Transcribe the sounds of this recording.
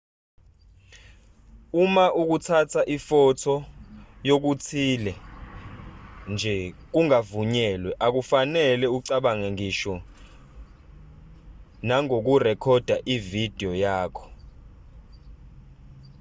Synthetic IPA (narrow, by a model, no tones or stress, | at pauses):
umaʔuk̬ut͡sʰatʰaʔifɔtʰɔjok̬ut͡sʰilɛ | nd͡ʒʱɛk̬uŋavuɲɛlwɛʔak̬ufanɛlɛuǀaɓaŋɛŋiʃɔ | naŋok̬urɛkʰɔd̥ʱaʔivid̥ʱiɔjaːkʰɔ̥